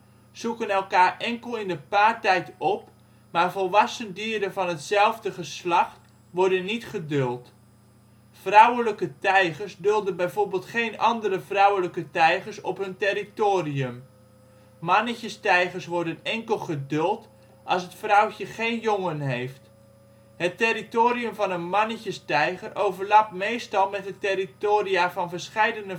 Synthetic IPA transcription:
sukənɛlˠkaːrɛŋkəlˠɪndəpaːrtɛjtɔp | maːɹvɔlˠʋɑsəndiːdəvɑnɦətsɛlˠvdəχəslɑχt | ʋɔɹdənːitχədølˠt | frawələkətɛjχərsdɵlˠdənbɛjvoːɹbːlˠtχejnɑndərəvrawələkətɛjχəɹsɔpɦɵntɪritoːriəm | mɑnəçəstɛjχəɹsʋɔɹdənɛŋkəlˠχədɵlˠt | ʔɑlˠsɦətfrʌwcəχejnjɔŋənɦejft | ɦətɪritoːriɵmvɑnənmɑnəcəstɛjχərʔowvəɹlapmejstɑlˠmɛtətɪɾitoːriaːvɑnvəɹsχɛjdənə

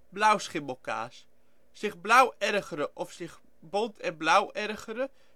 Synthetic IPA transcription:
blawsχɪməlˠka̰ːs | sɪχblawɛrɣəɾəʔɔfsɪχ | bɔntʰɛnblawɛrɣəɾə

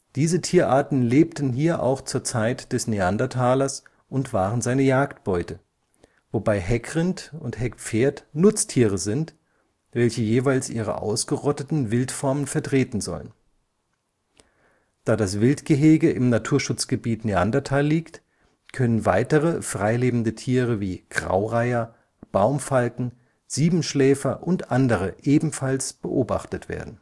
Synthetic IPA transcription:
d̥iːzətʰiːɐʔaːɐtn̩leːp̚tn̩ɦiːɐʔa̰ʊxt͡suːɐt͡saɪtd̥ɛsneandatʰaːlɐs | ʔʊntv̥aːʁənzaɪnəjaːktb̥ɔʏtə | vobaɪɦɛkʁɪntʊnthɛkp͡feːɐtnʊt͡stʰiːʁəzɪnt | v̥ɛlçəjeːvaɪlsʔiːʁ̞ə̰ʔa̰ʊsɡ̥əʁɔtətn̩vɪltfɔɐmənfɛɐtʁ̥eːtn̩zɔ̰lə̰n | d̥aːdasv̥ɪltɡ̥əɦeːɡəʔɪmnatʰuːɐʃʊt͡sɡ̥əbiːtnea̰ndatʰaliːkt | kʰœnənva̰ɪtəʁəfʁ̥aɪleːbm̩dətʰiːʁəviːɡ̥ʁa̰ʊʁaɪɐ | b̥aʊmfalkŋ̩ | z̥iːbm̩ʃlɛːfɐʔʊntʔandəʁəʔeːbm̩falsb̥əʔoːba̰χtətv̥ḛːɐdn̩

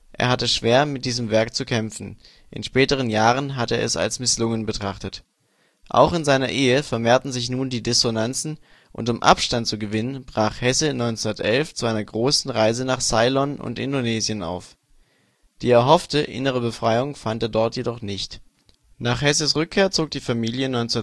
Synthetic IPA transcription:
ʔḛːɐɦatəʃv̥eːɐmɪt̚d̥iːzəmvɛɐk̚t͡sukʰɛmfn̩ | ʔɪ̰nʃpɛːtəʁ̞ənjaːʁənɦatəeːɐʔɛ̰sa̰lsmɪslʊŋənbətʁ̥aχtət | ʔa̰ʊχɪnzaɪnɐʔeːəfɛɐmeːɐtn̩zɪçnuːndiːdɪsonant͡sn̩ | ʔʊ̰ntʊmʔa̰pʃtantt͡suɡəvɪnənbʁaːχhɛsənɔʏnt͡sundɐtʔɛlft͡suʔaɪnɐɡʁoːsn̩ʁaɪzənaːχz̥aɪlɔnʊ̰ntʔɪ̰ndonɛːzjəna̰ʊf | d̥iːɛɐɦɔftəʔɪ̰nəʁ̞əbəfʁ̥aɪʊŋfanteːɐdɔɐtjedɔχnɪçt | naːχhɛsəsʁʏkʰːeːɐt͡soːk̚d̥iːfamiːljənɔʏnt͡sunɐ

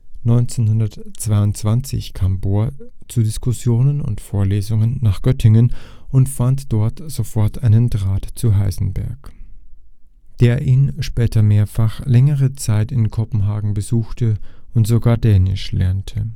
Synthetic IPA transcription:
nɔʏnt͡senhʊndɐtt͡sv̥aɪʊntt͡sv̥ant͡sɪ̰çkʰaːmboːɐt͡suːdɪskʊsjoːnənʊ̰ntfoːɐleːzʊŋənːaːχɡ̥œtʰɪŋənʔʊntfantd̥ɔɐtz̥ofɔɐtʰʔaɪnəndʁaːtt͡suɦaɪzn̩bɛ̰ɐk | d̥eːɐʔiːnʃpɛːtɐmeːɐfaχlɛŋəʁ̞ət͡saɪtɪnkʰɔpm̩ɦaːɡŋ̩bəzuːxtʰəʊntz̥oɡaːɐdɛːnɪ̰ʃlɛ̰ɐntʰə

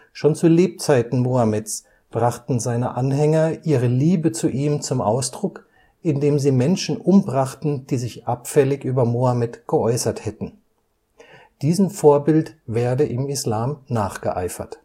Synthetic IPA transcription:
ʃoːnt͡suleːp̚t͡saɪtn̩moamɛs | b̥ʁaχtn̩zaɪnə̰ʔanɦɛŋɐʔiːʁəliːbət͡suʔiːmt͡sʊmʔa̰ʊsd̥ʁʊk | ʔɪndeːmziːmɛnʃn̩ʔʊmbʁaχtn̩d̥iːzɪçʔapfɛlɪçʔyːbɐmoamɛtɡ̥əʔɔʏsɐthɛtn̩ | d̥iːzəmfoːɐbɪltvɛːɐdəʔɪmɪslaːmnaːχɡ̥əʔa̰ɪfɐ̰t

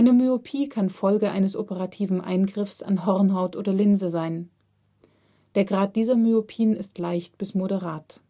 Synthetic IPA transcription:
ʔaɪnəmyopʰiːkʰanfɔlɡəʔa̰ɪnəsʔopəʁatʰiːvn̩ʔa̰ɪnɡʁɪfsa̰nɦɔʁnɦaʊtʔoːdɐlɪnzəzaɪn | d̥eːɐɡʁaːt̚d̥iːzɐmyopʰiːnɪstlaɪçt̚b̥ɪsmoɾəʁaːt

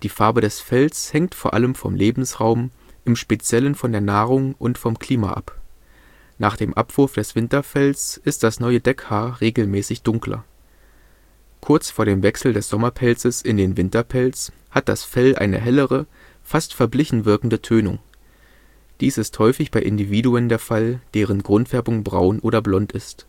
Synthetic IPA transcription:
d̥iːfaɐbədɛsfɛlshɛŋ̚tfoːɐʔaləmfɔ̰mlʔeːbm̩sʁaʊm | ʔɪmʃpet͡sjɛlənfɔndeːɐnaːʁʊŋʔʊntfɔmkl̥iːma̰ʔa̰p | naːχd̥eːmʔapv̥ʊɐfd̥ɛsv̥ɪntɐfɛlsʔɪst̚d̥asnɔʏədɛkhaːɐʁeːɡl̩mɛːsɪçd̥ʊŋklɐ̰ | kʰʊɐt͡sfoːɐɾeːmvɛksl̩dɛsz̥ɔmɐpʰɛlt͡səsɪndeːnvɪntɐpʰɛlt͡s | hat̚d̥a̰sfɛlʔa̰ɪnə̰ɦɛləʁə | fastfɛɐblɪçn̩vɪɐkŋ̩dətʰøːnʊ̰ŋ | d̥iːsɪsthɔʏfɪçb̥aɪʔɪndiviːduəndeːɐfald̥eːʁ̞ənɡʁʊntv̥ɛɐbʊŋbʁa̰ʊnʔoːɾɐblɔntɪst

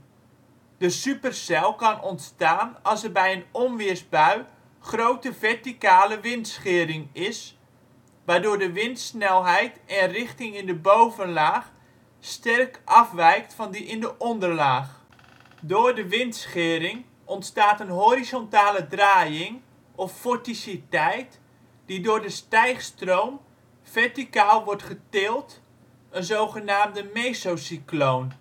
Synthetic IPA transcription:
d̥əsypərsɛlˠkɑnɔntstaːnɑlˠsərbɛjənɔnʋɪəsbœɥ | χrowtəvɛrtikaːləʋɪntsχɪːəɾɪŋɪs | ʋaːdʊːɹdəʋɪntsnɛlˠɦɛjtɛnrɪχtɪŋɪndəbowvənlaːχ | stɛrkʔɑfʋɛjk̚tfɔndiʔɪndəʔɔndərlaːx | doːɹdəʋɪntsχɪːɾɪŋ | ʔɔntstaːtənɦoɾizɔntaːlədraːjɪŋ | ɔfːɔɹtisitɛjt | d̥idʊːɹdəstɛjχstrowm | fɛɹtikaːlˠʋɔɹtχətɪːlˠt | ənzowχənaːmdəmesowsiklown

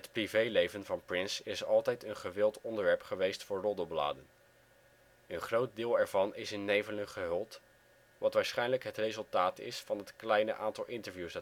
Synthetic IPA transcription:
ɦətprivejlejvənvɑnprɪnsɪsɑlˠtɛjtənχəʋɪlˠtɔndəɹʋɛɹpχəʋejstfʊːɹrɔdəbla̰ːdən | ənχrowt̚dɪːlˠɛɹvɑnɪsɪnːejvələnχəɦɵlˠt | ʋɑtʋaːɹsχɛjnləkɦətrejzɵlˠtaːtɪ̰sfɑnɦətklɛjnə̰ʔaːntɑlˠɪntəɹvjusda

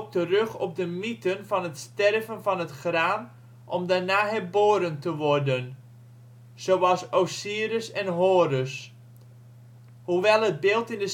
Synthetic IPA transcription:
k̚tərøχɔp̚dəmitənvɑnətstɛrvənvɑnətχraːn | ʔɔmdaɹnaːɦɛrboːɾəntəʋɔrdən | sowɑlˠsosiəɾəsɛnɦoːɾøs | huʋɛlˠəd̚bɪːlˠtɪndə

